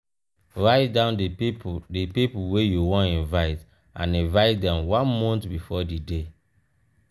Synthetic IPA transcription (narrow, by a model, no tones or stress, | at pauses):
ɹaɪtdãʊ̃nddipipuwejuwɔ̃nĩnvaɪt | ã̰nĩnvaɪt̚dɛ̃mwãnmɔ̃ntbifɔdide